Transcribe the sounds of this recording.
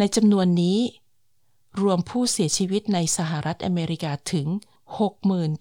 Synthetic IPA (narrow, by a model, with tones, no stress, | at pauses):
na˧jt͡ɕa˧mnu˧ənːiː˦˥ | ɾu˧əmpʰuː˥˩si˩˦ɐt͡ɕʰiː˧wi˦˥t̪̚na˧jsa˧ɦa˨˩ɾʔa˦˥t̪̚ʔa˧meː˧ɾi˦˥kaː˧t̪ʰɯ˩˦ŋ | ho˨˩k̚mɯː˨˩n